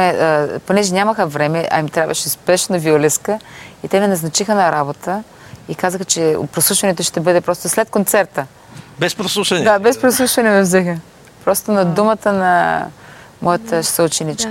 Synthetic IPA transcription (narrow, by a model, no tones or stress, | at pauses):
ɛəponɛʒɛnʲaməxəvɾɛmɛʔɐ̰imt̪ɾʲabvɐʃɛʊspɛʃnɐviolɛskəit̪ɛnɛnɐznɐt͡ʃixənɐɾabot̪ə | ikazəxət͡ʃɛ̰pɾoslˠuʃvɐnɛt̪oʃt̪ɛbɤd̪ɛpɾɔst̪oslɛt̪̚kont̪sɛɾt̪ə | bɛspɾoslˠuʃvɐnɛd̪abɛspɾoslˠuʃvɐnɛmɛvzɛxə | pɾɔst̪onɐd̪umət̪ənɐ̰ | mʔɔjɐt̪əʃsoʊt͡ʃɛnit͡ʃk